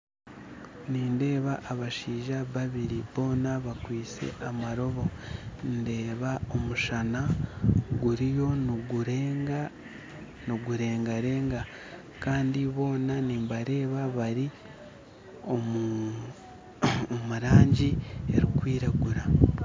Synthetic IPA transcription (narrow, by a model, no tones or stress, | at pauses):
niːnde̞ːβaʔːβaʃiːʒaβaβiɾiβo̞ːnaβakwiːt͡se̞̰ʔamaɾo̞βo̞nde̞ːβao̞muʃana | ɡuɾijo̞nɡɾeːŋɡa | noɡuɾe̞ːŋɡaɾe̞ːŋɡa | kaːndiβo̞ːnaniːmbaɾe̞ːβaβaɾi | ou | omuɾaːɲɟieɾikwiːɾaɡuɾa